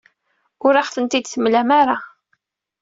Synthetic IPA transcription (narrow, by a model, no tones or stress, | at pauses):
ʊɾaχθənt̪id̪θəmːlæmaɾˤa